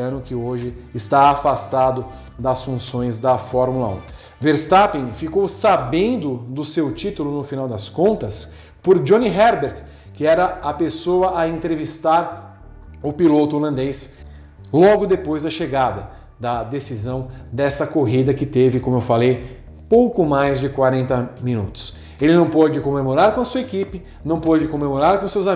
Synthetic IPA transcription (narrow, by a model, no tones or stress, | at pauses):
ɐ̃nʊkɪoʒɪɪst̪aafast̪ad̪ʊ | d̪ɐsfũsõj̃zd̪ɐfɔɾmulɐṵ̃ | veɾst̪apĩfikowsabẽnd̪ʊd̪ʊsewt͡ʃit̪ʊlʊnʊfinawd̪ɐskõnt̪ɐs | pʊɾd͡ʒõniɦɛɾbeɾt̪ | kɪɛɾɐːpesoɐʔɐẽnt̪ɾevist̪aɾ | ʊpilot̪ʊoɾlɐ̃nd̪es | lɔɡʊd̪epojzd̪ɐʃeɡad̪ɐ | d̪ɐd̪esizɐ̃w̃d̪ɛsɐkoɦid̪ɐkɪt̪evɪkõmʊewfalej | powkʊmajzd͡ʒɪkwaɾẽnt̪ɐmĩnṵt̪ʊ̥s | elɪnɐ̃w̃pod͡ʒɪkõmemoɾaɾkõɐsuɐekipɪ | nɐ̃w̃pod͡ʒɪkõmemoɾaɾkõsewza